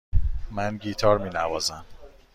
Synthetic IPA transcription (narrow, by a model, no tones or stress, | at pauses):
mænɟiːt̪ʰɒːɾmiːnævɒːzæm